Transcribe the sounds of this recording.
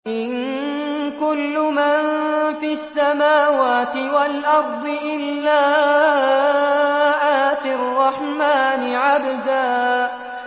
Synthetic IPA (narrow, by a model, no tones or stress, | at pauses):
ʔɪn | kʊlːʊmanfiasːamaːwaːt̪ɪwalʔɑɾˤd̪ˤɨʔɪlːaː | ʔaːt̪ɪrˤːɑħmaːnɪʕabd̪aː